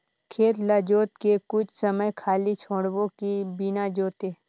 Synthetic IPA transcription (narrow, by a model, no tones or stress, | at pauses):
kʰeːt̪lad͡ʒoːt̪kekʊt͡ʃʰsəməjkʰaːlit͡ʃʰoːɽbõkibinad͡ʒoːt̪eː